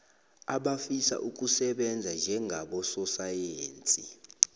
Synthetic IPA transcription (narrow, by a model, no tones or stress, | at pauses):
aɓafisa̰ʔuk̬ʼusɛɓɛnd͡zʱand͡ʒʱɛŋʱaɓɔsɔsajeːnt͡sʼi